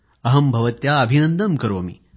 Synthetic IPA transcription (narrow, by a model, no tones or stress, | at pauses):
ɐɦɐmbʱɐʋɐt̪jaɐbʱinɐnd̪ɐmkɐɾoːɐmḭ